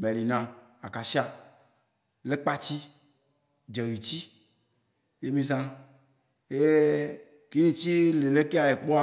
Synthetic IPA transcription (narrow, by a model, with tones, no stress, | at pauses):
mɛ̃˨li˨nã˨ | a˨ka˨si˦a˨ | le˦k͡pa˦t͡ɕi˦ | d͡ʒɛ˨ɣi˨t͡ɕi˦ | je˦mĩ˦zã˦ | e˦e˦ | ki˦nĩ˨t͡ɕi˦le˨le˦ke˦a˨je˨k͡pɔ˦a˦